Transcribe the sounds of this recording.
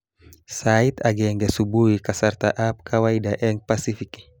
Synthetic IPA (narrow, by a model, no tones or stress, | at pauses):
sait̪aɡɛŋɡasubuikasart̪a̰ʔap̚kʰawaidaʔɛŋpasifik